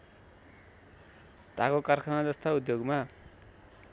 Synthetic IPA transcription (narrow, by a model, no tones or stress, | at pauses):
t̪akokarkʰanad͡zʌst̪aud̪joɡma